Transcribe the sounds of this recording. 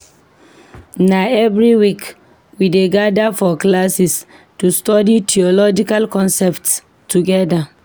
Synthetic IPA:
naɛvɹiwik | wideɡadafɔklasis | tustɔditʰiɔlɔd͡ʒikalkɔ̃nsɛpts | tʰːuɡɛda

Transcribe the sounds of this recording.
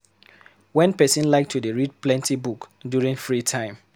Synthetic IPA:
wɛ̃npɛsĩnlaɪk̚tʰudeɹid̚plɛ̃ntibukdjuɹĩŋfɹitʰãɪ̃m

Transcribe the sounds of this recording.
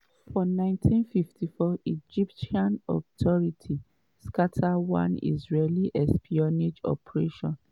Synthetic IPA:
fɔnãɪ̃ntʰĩnfiftʰifɔid͡ʒipʃiãnɔ̰tʰɔɹitʰi | skatʰawã̰nḭzɹeliʔɛspʰiɔnid͡ʒɔ̰pɹeʃɔ̃n

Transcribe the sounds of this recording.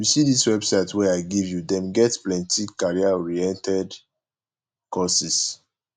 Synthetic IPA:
jusidiswɛbsaɪtwɛaɪɡivjudɛ̃mɡɛtplɛ̃ntikaɹiaɔɹiɛ̃ntʰɛd | kɔsis

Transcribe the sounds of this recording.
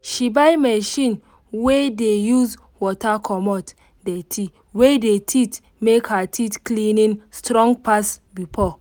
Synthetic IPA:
ʃibajmɛʃĩn | wedejuz | wɔtakʰɔmɔt | detʰi | wedetʰit | mekhatʰitklinĩnstɾɔ̃ŋɡpasbifɔ

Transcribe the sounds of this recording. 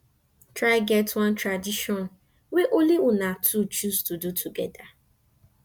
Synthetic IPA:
tɹaɪɡɛtwãntɹadiʃɔ̃n | weʔoliʔʊnatʰut͡ʃuztudutʰuɡɛda

